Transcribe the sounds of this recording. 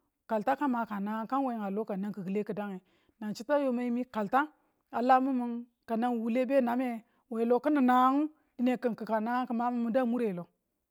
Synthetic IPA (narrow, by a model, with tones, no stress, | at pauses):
ka˨lta˦ka˦ma˨ka˨na˦ka˦nwe˨i˨ŋa˨lo˦ka˨na˦ŋkə˨ɡɨ˨le˦kə˨da˦ŋe˨ | na˨nt͡ʃi˦ta˦jo˦ma˦i˦mi˦ka˨lta˦ | a˨la˦mu˦mu˦n | ka˨na˦ŋ˨wu˨le˦be˦˨na˨˦me˦ | we˨lo˨kə˦nə˨na˦ŋu˦ | di˦ne˨kə˨nkə˨ka˨na˦kə˨ma˦mu˦mu˦˨da˦mu˦ɾe˨lo˨